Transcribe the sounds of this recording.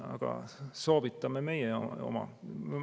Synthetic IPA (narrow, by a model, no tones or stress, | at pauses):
ɑ̰ɡ̥ɑ̰soːvit̪ːˑɑmeme̞jeo̞̰mɑ̰